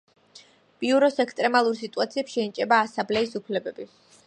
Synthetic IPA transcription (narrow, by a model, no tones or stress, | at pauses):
b̥iuɾɔsɛkst̪ʼɾɛmalˠuɾsit̪ʼuat̪sʰiɛpsʃɛit͡ʃʼɛbaːsamblɛisupʰlɛbɛbi